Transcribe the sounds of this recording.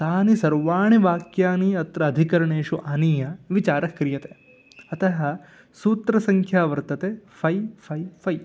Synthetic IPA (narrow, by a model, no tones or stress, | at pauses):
t̪aːnisɐɾʋaːɳiʋaːkjaːniɐt̪ɾɐːd̪ʱikɐɾɐɳeːʃuʔaːniːjɐʋit͡ʃaːɾɐkɾijɐt̪e | ɐt̪ɐɦɐ̆ | suːt̪ɾɐsɐŋkʰjaːʋɐɾt̪ɐt̪efʰɐjfʰɐjfʰɐj